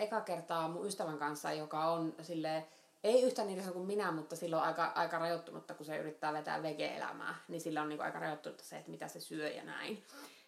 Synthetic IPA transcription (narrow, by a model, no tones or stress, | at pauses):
ekɑkert̪ɑːmuyst̪æʋæŋkɑnsːɑ̰jokɑonsilːeː | eˑiyht̪æniːt̪æsɑnokumminæmut̪ːɑsilːoʔɑikɑʔɑikɑrɑjot̪ːunṵt̪ːɑkusey̰rit̪ːæːʋet̪æ̰ːʋʋekḛḛlæ̰mæ̰ːnisilːæoniːkuʔɑ̰ikɑrɑjot̪ːunut̪ːɑ̥sḛet̪mit̪æsesyøjɑ̰næ̰in